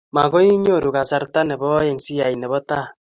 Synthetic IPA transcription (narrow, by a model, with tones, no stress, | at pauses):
ma˨ɣɔ˦i˦ɲo˦˨ɾu˨ka˨sa˨ɾta˦nɛ˨bɔ˦jɛ˨ŋsi˦ja˨i˨nɛ˨βɔ˦ta˦˨